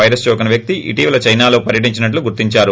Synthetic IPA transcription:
ɐjɾɐst͡ʃɔːkɐnɐʋjɐk̚t̪iʔḭʈiːʋɐlɐt͡ʃɐjnaːlo̞ːpɐɾjɐʈ̬iɲt͡ʃinɐʈ̬luɡuɾt̪iɲt͡ʃaːɾu

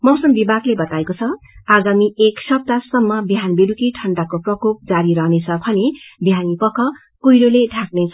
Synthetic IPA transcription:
mʌwsʌmbibʱaɡlebʌt̪aekot͡sʰʌ | aɡamieksʌp̚t̪asʌmːʌbjɦanbeɾukiʈʰʌɳɖakoprʌkop̚d͡zaɾiɾʌɦnet͡sʰʌbʱʌnebijanipʌkʰʌ | kujɾoleɖʱak̚net͡sʰʌ

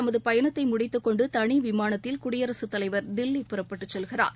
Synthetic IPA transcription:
ɐmɐðɯpɐjɐnɐt̪ːɐɪmʊɽɪt̪ːɯkːɔɳɖɯt̪ɐɳiʋɪmaːnɐt̪ːɪlkʊɽɪjɐɾɐsɯt̪ːɐlɐɪʋɐɾd̪ɪlːipɪrɐpːɐʈːɯt͡ʃːɛlɣɪra̰ːɾ

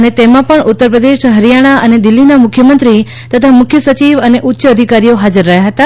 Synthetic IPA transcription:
ənet̪emãpəɳut̪ːəɾpɾəd̪eʃɦəɾijaɽ̃aʔəned̪ɪlːinamʊkʰjəmə̃nt̪ɾi | t̪ət̪ʰamʊkʰjəsət͡ʃiʋəneʔutːʃəəd̪ʱikaɾijoɦad͡ʒəɾːəɦjaɦət̪a

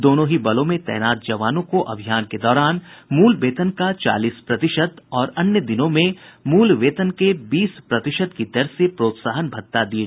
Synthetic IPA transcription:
d̪oːnõɦibɐlõmẽt̪ɛ̰ːnaːt̪̚d͡ʒɐʋaːnõkoʔɐbʱijaːnked̪ɔːɾaːnmuːlʋeːt̪ənkat͡ʃa̰ːliːspɾɐt̪ɪʃəd̪ɔːɾɐnjəd̪ɪnõmẽmuːlʋeːt̪ənkebiːspɾɐt̪ɪʃəd̪kid̪ɐɾsepɾoːt̪saːɦənbʱɐt̪ːad̪ie

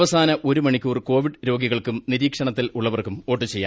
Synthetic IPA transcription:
ʋɐsaːnɐʔo̞ɾumɐɳikʲːuːrko̞ːʋiɖɾo̞ːɡiɣɐɭkumniɾiːkʂɐɳɐt̪ːiluɭːɐʋɐrkumo̞ːʈːɨt͡ɕe̞jːa̰ː

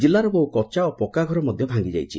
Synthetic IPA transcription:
d͡ʒilːaɾɔboɦukɔt͡ʃaopɔkaɡʱɔɾɔmɔd̪ʱjɔbʱaŋɡid͡ʒa̰jt͡ʃʰi

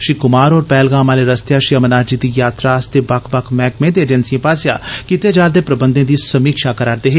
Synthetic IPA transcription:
ʃiːkʊmaːɾɔːɾpɛːlɡãːmaːleːɾəst̪jaːʃiːəmənaːd͡ʒiːd̪iːjaːt̪ɾaːst̪eːbakʰbəkʰmɛːkmẽːt̪eːd͡ʒənsijẽːpaːsja̰ːkit̪eːd͡ʒaːɾd̪eːpɾəbənd̪ẽːd̪iːsəmiːkʃaːkəɾaːɾd̪eːɦeː

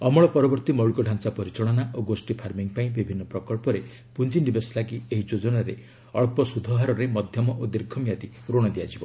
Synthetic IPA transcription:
ɔmɔɭɔpɔɾɔbɔɾt̪imɔwɭukɔɖʱansapɔɾit͡ʃɔɭɔnaʔoɡosʈipʰaɾmiŋpaĩbibʱinːɔpɾɔkɔɭpɔɾe | pund͡ʒinibeslaɡieɦid͡ʒod͡ʒɔnaɾe | ɔɭpɔsud̪ʱɔɦaɾɔɾemɔd̪ʱjɔmɔʔod̪iɾkʰɔmjat̪iɾoɽ̃ɔd̪ijad͡ʒibɔ

